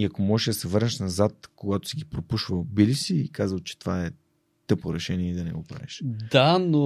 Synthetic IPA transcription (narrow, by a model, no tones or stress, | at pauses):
iɐkomɔʒɛʃd̪ɐsɛvɤɾnɛʃnɐzat̪koɡat̪o̥siɡipɾopuʃvəlˠbilisiːkazəlˠt͡ʃɛ̥t̪ovaɛ | t̪ɤpoɾɛʃɛniɛid̪ɐnɛ̰ɡo̰pɾa̰vɛ̰ʃd̪ano